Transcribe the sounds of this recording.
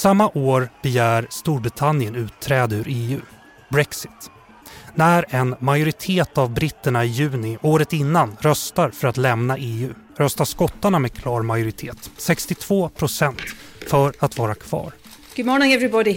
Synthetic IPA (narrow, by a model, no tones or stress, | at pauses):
samːaʔoːɾb̥ɛjæːɾst̪uːɾbɾɪt̪ʰanɪjənʉ̟ːt̪ʰːɾɛːd̪əʉ̟ɾeːʉ̟̰ː | bɾɛksɪ̥t̪ | næɾɛnmajʊɾɪt̪ʰeːt̪avbɾɪt̪ːəɳaɪjʉ̟ːnɪʔoːɾət̪ɪnːanɾœst̪aɾfœɾat̪lɛmnaʔeːʉ̟ː | ɾœst̪aʂkɔt̪ːaɳamɛdkʰlɑːɾmajʊɾɪt̪ʰeːt̪sɛkst̪ɪt̪ʰv̥oːpʰɾʊsɛnt̪fœɾat̪vɑːɾakʰv̥ɑ̰ːɾ | ɡ̥ʊdmɔːnɪ̃ŋɛvɹɪbɔdɪ